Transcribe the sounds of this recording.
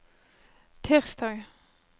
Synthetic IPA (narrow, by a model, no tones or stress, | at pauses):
t̪ʰeːʁst̪ɑːɡ